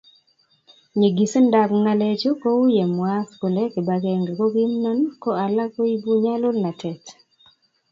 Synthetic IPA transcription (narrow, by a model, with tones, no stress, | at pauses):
ɲe˨ɡi˨snda˨kŋa˦le˦t͡ʃo˦ko˦u˦je˨mwa˦sku˨le˦kɪ˨ba˨ke˨ŋɡe˨ko˦ɡi˦mnɔ˦nkɔ˦a˨la˦ko˦i˦bu˦ɲa˦lʊ˦lna˨tʰɛ˨t